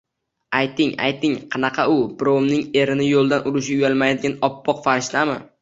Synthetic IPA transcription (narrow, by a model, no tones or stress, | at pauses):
ajt̪ɪŋa̰jt̪ɪŋqʰɑnɑqʰɑʊbɾomnɪŋe̞ɾɪnɪjolˠd̪anʊɾɪʃɪjʊjalˠmajad̪ɪɡʲanɒpːɒqfaɾɪʃlamɪ̰